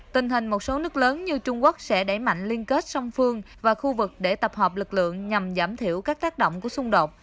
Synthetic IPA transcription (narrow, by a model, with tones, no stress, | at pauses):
t̪ï˨˩ŋ̟ɦï˨˩ŋ̟mo˨˩t̚so˨˦nɨ˦˥k̚ləː˨˦nɲɨ˧t͡ɕʊ˧ŋ͡mku˦˥ək̚sɛ̰˧˥ɗa˧˩jma̰˧˨jŋ̟li˧ənke˦˥t̚sɔ˧wŋ͡mfɨ˧əŋ | vaː˨˩xu˧vɨ˨˩k̚ɗe˧˩t̪ə˨˩p̚hɔː˨˩p̚lɨ˨˩k̚lɨ̰˧˨əŋɲa˨˩mzaː˧˩mt̪ʰi˧˩əwkaː˦˥k̚t̪aː˦˥k̚ɗo̰˧˨wŋ͡mku˧˩əsʊ˧ŋ͡mɗo˨˩t̚